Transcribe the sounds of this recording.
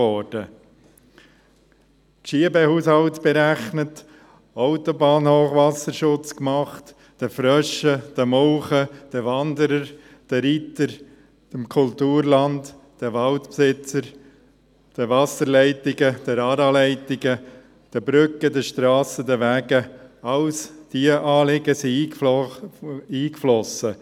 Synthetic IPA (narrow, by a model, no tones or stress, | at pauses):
ɔɾd̥ə | tʃiəbɛhuːshɑltb̥ɛɾæχnət | aʊt̪obɑːnhoːχʋɑsəɾʃʊt͡skmɑχt | d̥əfɾœʃəd̥əmɔlχəd̥əvɑnd̪əɾəɾ | d̥əɾit̪əɾ | əmkʰʊlt̪uːɾlɑnt | d̥əʋɑltpsɪt͡səɾ | d̥əʋɑsəɾlɛɪtɪɡəd̥əɾɑːɾɑlɛɪtɪɡə | d̥əbɾʏkədəʃt̪ɾɑːsəd̪əʋæːɡəɑwsd̥iəʔɑːlɪɡəsiiː | iːkflɔsə